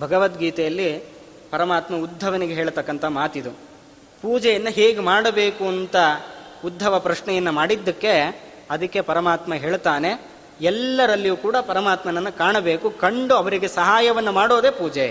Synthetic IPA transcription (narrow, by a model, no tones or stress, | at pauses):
bʱɐɡɐʋɐt̪ɡiːt̪ɛjɐlːi | pɐɾɐmaːt̪mɐud̪ʱːɐʋɐniɡeɦeːɭt̪ɐkːɐnt̪ʰɐmaːt̪id̪u | puːd͡ʒɛjɐnːɐɦeːɡemaːɽɐbe̞ːkuɐnt̪ɐud̪ʱːɐʋɐpɾɐʃɳɛjɐnːumaːɽid̪ːɐkːe̞ | ɐd̪ɐkːe̞pɐɾɐmaːt̪mɐɦe̞ːɭt̪aːne̞ | ɛlːɐɾɐlːijuːkuːɽɐpɐɾɐmaːt̪mɐnɐnːɐkaːɳɐbe̞ːkukɐɳɖuɐʋɐɾiɡe̞sɐɦaːjɐʋɐnːɐmaːɽo̞ːd̪eːpuːd͡ʒe